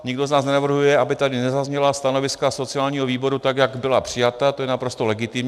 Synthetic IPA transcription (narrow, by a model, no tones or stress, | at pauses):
ɲɪɡdo̞znaːsnɛnavr̩ɦujɛʔabɪt̪adɪnɛzazɲɛlast̪ano̞vɪskaso̞t͡sɪaːlɲiːɦoviːbo̞ɾut̪akjaɡbɪlapr̝̥ɪjat̪at̪ojɛnapɾo̞st̪olɛɡɪt̪ɪmɲ